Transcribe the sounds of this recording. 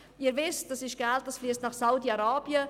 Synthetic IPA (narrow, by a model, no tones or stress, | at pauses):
iːəɾvɪstd̥ɑsɪʃɡ̥ɛlt̚dɑsfliəstnɑχsaʊdiɑɾaːb̥iə